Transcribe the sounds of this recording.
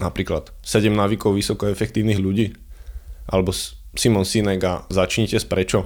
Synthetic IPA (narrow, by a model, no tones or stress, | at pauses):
napɾiːklat̪sɛɟɛmnaʋikɔʊʋisɔkɔɛfɛkt̪iːʊniɣʎuɟiː | ʔa̰lɛbɔ | simɔnsinɛɡazat͡ʃɲɛcɛspɾɛt͡ʃɔ